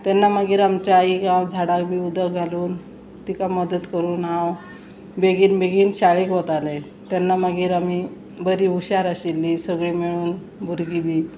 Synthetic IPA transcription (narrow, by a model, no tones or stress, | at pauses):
t̪anːaməɡiːɾamt͡ɕaiɡãwd͡zʱaɽakbʱiːud̪əɡʱaluːn | t̪ikaməd̪ət̪kəɾuːnɦãw | beɡiːnbeɡiːnɕaɭikʋot̪alẽ | t̪janːaməɡiːɾami | bəɾiːuɕaɾəɕilːisəɡɭiːmiɭuːn | bʱuɾɡibʱiː